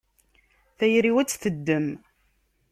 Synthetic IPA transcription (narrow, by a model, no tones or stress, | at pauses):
θæjɾiwæt͡sːθəd̪ːəm